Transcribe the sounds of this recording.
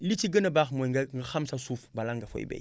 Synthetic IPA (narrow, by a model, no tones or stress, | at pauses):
lit͡ʃiɡənabaxmoŋɡaŋɡaxamsasufbalaŋɡafo̰bḛ